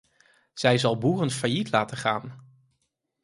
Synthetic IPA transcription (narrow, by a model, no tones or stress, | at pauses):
z̥ɛjzɑlˠbuːrənfajitlaːtəχaːn